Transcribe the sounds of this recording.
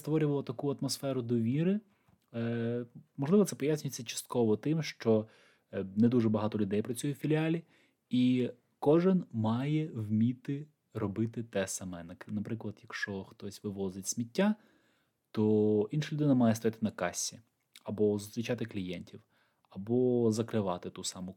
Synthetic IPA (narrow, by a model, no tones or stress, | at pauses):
st̪ʋɔɾʲʊʋɐlˠɐt̪ɐkuɐt̪mɔsfɛɾʊd̪ɔʋʲiɾɪ | mɔʒlˠɪʋɔt̪sɛpɔjasʲnʲʊjet͡sʲːɐt͡ʃɐ̥st̪̚kɔʋɔt̪ɪmʃt͡ʃɔ | nɛd̪uʒɛbɐɦɑt̪ɔlʲʊd̪ɛjpɾɐt͡sʲujʊfʲilʲiɑlʲi | i | kɔʒɪnmɑjɛwmʲit̪ɪ | ɾɔbɪt̪ɪt̪ɛsɐmɛnɐnɐpɾɪklˠɐd̪jɐkʃt͡ʃɔxt̪ɔsʲʋɪʋɔzɪtʲsʲmʲitʲːa | t̪ɔinʃɐlʲʊd̪ɪnɐmɑjɛst̪ɔjat̪ɪnɐkɑsʲi | ɐbɔzʊst̪ɾʲit͡ʃɑt̪ɪklʲijɛnʲtʲʰiw | ɐbɔzɐkɾɪʋɑt̪ɪt̪usɑmʊ